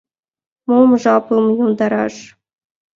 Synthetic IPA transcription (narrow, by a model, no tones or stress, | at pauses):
momʐɑplɤmɤjomd̪ɑɾɑ̰ʂ